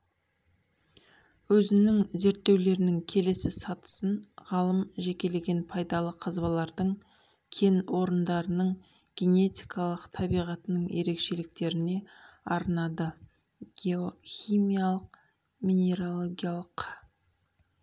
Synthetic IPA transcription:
wɵzɪnɪŋze̞ɾt̪ːe̞wle̞ɾɪnɪŋkʲʰe̞le̞sɪsɑt̪ə̥sənʁɑlˠəmʒe̞kʲe̞le̞ɡʲe̞npʰɑjd̪ɑlˠəqʰəzbɑlˠɑɾd̪əɴ | kʲʰe̞nwo̞ɾənd̪ɑɾənəɴ | ɡ̥ʲe̞ne̞t̪ʲijkʰɑlˠəqt̪ʰɑbijʁɑt̪ənəɴje̞̰ɾe̞kʃe̞lɪk̚t̪e̞ɾɪne̞ɑɾənɑd̪ə | ɡ̥ʲeoxijmijalˠəq | mʲinʲe̞ɾolˠoɡʲijalˠəq

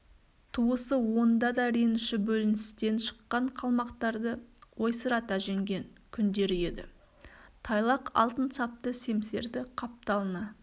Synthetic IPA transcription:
t̪ʰuəsəwo̞nd̪ɑd̪ɑɾenɪʃɪbɵlɪnɪst̪e̞nʃə̥qːɑɴqʰɑlˠmɑqt̪ɑɾd̪əwojsəɾɑt̪æʒe̞ŋɡʲe̞ŋkʲʰʏnd̪e̞ɾɪje̞d̪ɪ̰ | t̪ʰɑjlˠɑqɑ̰lˠt̪ənsɑp̚t̪əse̞mse̞̰ɾd̪ɪqʰɑp̚t̪ɑlˠənɑ

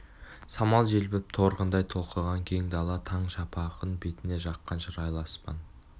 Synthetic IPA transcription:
sɑmɑlˠʒelbɪp̚t̪ʰo̞ɾqənd̪ɑjt̪ʰo̞lˠqəʁɑŋkʲʰejɪŋd̪ɑlˠɑt̪ʰɑɴʃɑpʰɑqənbe̞t̪ɪne̞ʒɑqːɑnʒəɾɑjlˠɑspɑ̰n

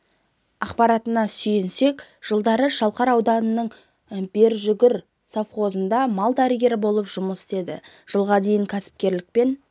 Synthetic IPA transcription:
ɑqpɑɾɑt̪ənɑsʏjɪnse̞kʒ̥əlˠd̪ɑɾəʃɑlˠqɑɾɑwd̪ɑnənəɴ | be̞ɾʒʏɡʲɪɾ | safχo̞zənd̪ɑmɑlˠd̪æɾəɡʲe̞ɾɪbo̞lˠəpʒʊməsɪ̥t̪e̞d̪ɪ̰ | ʒ̥əlˠʁɑd̪e̞jɪŋkʲʰæsɪ̥p̚kʲe̞ɾlɪk̚pe̞n

